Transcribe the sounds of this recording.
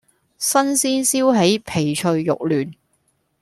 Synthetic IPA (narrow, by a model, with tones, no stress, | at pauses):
sɐ˥nsiː˥nsiː˥wɦe˨˥jpʰe˨˩jt͡ʃʰɵ˧ɥːʊ̰˨k̚lyː˨˩n